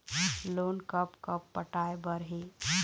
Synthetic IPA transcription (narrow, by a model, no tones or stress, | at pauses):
lonkəpkəpːəʈaebəɾɦe